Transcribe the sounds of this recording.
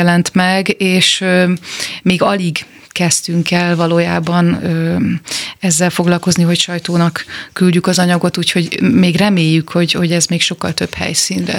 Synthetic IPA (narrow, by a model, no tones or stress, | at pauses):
ɛlɛnt̪mɛɡeːʃømeːɡɒliɡ | kɛst̪yŋkɛlvɒloːjaːbɒnøː | ɛzːɛlfo̞ɡlɒlko̞zniɦo̞cʃɒjt̪oːnɒkːylɟykɒzɒɲɒɡo̞t̪uːcho̞ɟmeːɡrɛmeːjːykho̞ɟho̞ɟɛzmeːkʃo̞kːɒlt̪ø̞bhɛ̰jsiːnɾɛ̰